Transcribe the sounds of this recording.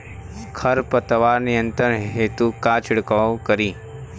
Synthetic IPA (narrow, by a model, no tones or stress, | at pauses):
kʰɐɾpət̪əʋaːɾnijə̃nt̪əɾɦeːt̪ukaːt͡ʃʰɪɽkawkəɾiː